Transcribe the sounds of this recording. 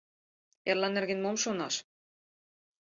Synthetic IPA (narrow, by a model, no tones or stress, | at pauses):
ɛɾlanːɛɾɣɪnmomsona̰s